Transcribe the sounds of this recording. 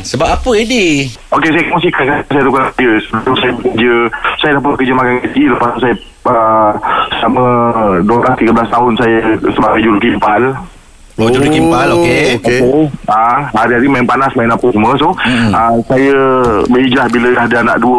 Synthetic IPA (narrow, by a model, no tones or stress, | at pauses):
səbapapəidi | okesajəkəmosikankasajət̪ukald͡ʒəsəblusajəbəkəd͡ʒəsajədap̬abəkəd͡ʒəmakanad͡ʒiləpassajə | əsəlamə̃duablast̪iɡəblast̪aɦʊnsajəsəbaɡajd͡ʒuɾukimpal | d͡ʒuɾukimpalokeokeaɦaɾiɦaɾimajɪnpanasmajɪnapəsəməsoəsajəbəid͡ʒlahbilədahdəana̰ʔduə